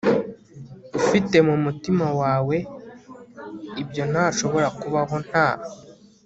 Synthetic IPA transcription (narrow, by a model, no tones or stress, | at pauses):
dufite̞mumutimawaːwe̞ | ibjo̞n̥haːʃo̞βo̞ɾakuβaɦo̞n̥haːho